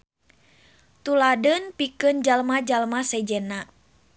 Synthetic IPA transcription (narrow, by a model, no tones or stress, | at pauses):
t̪uladənpikɨnd͡ʒalmad͡ʒalmasɛd͡ʒɛna